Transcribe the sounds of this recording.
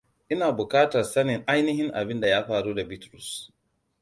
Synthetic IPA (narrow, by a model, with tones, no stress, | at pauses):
ʔɪ˦naː˨bʊ˨kaː˦tɐ˨rsa˦nɪ˨ŋʔa˦jnɪ˦ɦɪ˦ŋʔa̰˨bɪ˦nda˨jaː˦ɸaː˨ɽuː˦da˨bi˦tɾu˨s